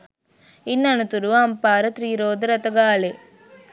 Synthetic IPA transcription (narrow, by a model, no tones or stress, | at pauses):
inːɐnut̪uɾuʋɐmpaːɾɐt̪ɾiːɾoːd̪ɐɾɐt̪ɐɡaːle